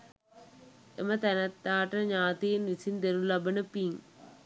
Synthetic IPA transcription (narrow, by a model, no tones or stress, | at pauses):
emət̪ænɐt̪ːaːʈəɲaːt̪ijenʋisind̪eɾulɐbənəpiŋ